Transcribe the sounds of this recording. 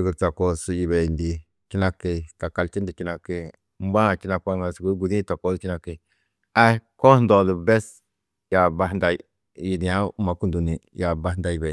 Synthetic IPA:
ɡə˨ɾta˨ko˦su˦˨ji˨be˨ndi˨ | t͡ʃi˦na˦ke˨ka˨ka˨lt͡ʃi˦ndi˨ki˦na˨ke˨ | m˦ba˦˨t͡ʃi˦na˨ka˦ŋa˨su˨ɡu˦ɡu˨dĩ˦ta˨ko˦˨t͡ʃi˦na˨ke˨ | a˦ko˦n˦do˨lə˨bɛ˦s | ja˨ba˦nda˨i | ji˨di˨ja˦u˦ma˨˦ku˦du˨ni˨ja˨ba˦da˦ji˨be˨

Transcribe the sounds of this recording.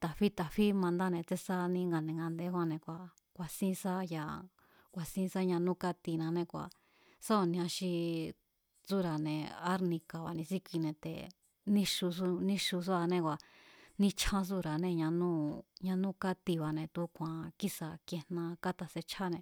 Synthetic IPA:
t̪a˨ɸi˦t̪a˨ɸi˦mã˧nd̪a˦nẽ˧t͡se˦sa˦nĩ˧˦ŋɡa˧nẽ˨ŋɡa˧nd̪e˧˦kʷa˧nẽ˧kʷa˨ | kʷa˨sĩ˦˧sa˦ja˨ | kʷa˨sĩ˦˧sa˦ɲã˧nũ˦ka˦t̪i˧nã˧nẽ˧˨kʷa̰˨ | sa˦o˧nĩ˧ã˧ʃi˧ | t͡su˦ɾa˨nẽ˨a˦ɾnĩ˧ka˨βa̰˨nĩ˧si˦kʷi˧nẽ˧t̪ḛ˨ | nĩ˦ʃu˧s̬u˧nĩ˧ʃu˧s̬u˦a˧nẽ˧kʷa˨nĩ˧t͡ʃʰã˧s̬u˦ɾa˨nẽ˧ɲã˧nũ˦ɲã˧nũ˦ka˦t̪i˧βa˨nẽ˧t̪u˧˦kʷʰã˨ki˦sa˧kje˧nã˧ka˦t̪a˧se˧t͡ʃʰa˦nẽ˧˨

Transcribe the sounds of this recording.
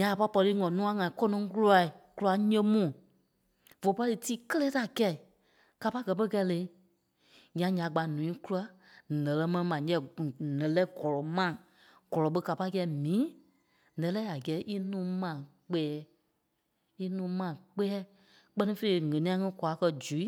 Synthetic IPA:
ɲã˨a˨pa˧˦pɔ˧liː˧˦ŋɔ̃˨nũ˦ã˧˦ŋã˨ĩ˨kɔ˦nɔ̃˨˧˦ku˦la˧˦i˨ku˦a˧˦ɲə̃˧˦mũː˦˨ | vo˨pa˦ɨ˧tiː˦kə˦lɛː˦ta˨kɛ˧˨i˨ | ka˨˧pa˦ɡɜ˨˧˦pə˦kɛ˧˦˨lẽ˨˦ | ɲã˨ɲã˨ɡ͡ba˨nũ˨ĩ˦ku˦la˨˦ | nɛ̃˨lɜ˧˦mɛ̃˧nĩ˧mã˨˦ɛ˧˦˨nɛ̃˨lɛ˦ɡɔ˨lɔ˨mã˦˨ | ɡ̥ɔ˨lɔ˨˦ɓə˧ka˨pa˧˦i˦kɛ˧˦mĩː˨˦ | nɛ̃˨˦lɛ˦a˨ɡɛː˨˦ʔi˦nũː˨˦mã˨ | k͡pɛː˨˦ | i˦nũː˨˦mã˨k͡pɛː˦ | k͡pɜ˧nĩ˧˦fe˧˨˦ŋɛ̃˨nĩ˦ã˧˦ŋĩ˦kwa˨˦kɜ˧d͡ʒu˨˦i˦

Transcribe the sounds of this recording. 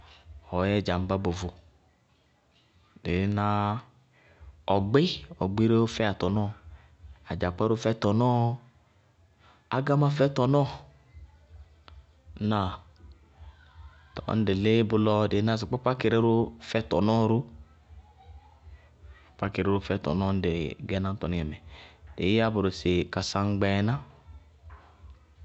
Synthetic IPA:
ɔ˨˦jɛ˦d͡ʒa˨m̩˦ba˦bo˨vʊ˨ | de˨˦na˦ | ɔ˨ɡ͡be˦ɔ˨ɡ͡be˦ɾe˦o˦fɛ˦a˨tɔ˨nɔː˦ | a˨d͡ʒa˨k͡pa˦ɾu˦fɛ˧˦tɔ˨nɔː˦ | a˨ɡa˦ma˦fɛ˦tɔ˨nɔ˦ | na˨ | tɔ̰˨˦n̩˦de˨le˦bʊ˧lɔ˧de˨˦na˦˧˨s̬i˨k͡pɔ˦k͡pa˦ke˨ɾe˦ɾu˦fɛ˦tɔ˨nɔ˦ɾu˦ | k͡pa˦ke˨ɾe˦ɾu˦fɛ˦tɔ̰˨nɔ˦n̩˦de˨ɡɛ˦nã˦n̩˦tɔ˨ni˦ɛ˨mɛ˨d̥e˨˦a˦bʊ˨ɾo˨se˨ka˨sa˧ŋ̩˦ɡ͡bɛ˨na˦

